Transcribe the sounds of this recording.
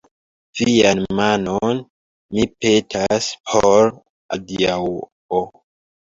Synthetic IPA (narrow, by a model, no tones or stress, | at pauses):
v̥ianmanon | mipe̞tʰaspʰoɾ | adiaw | o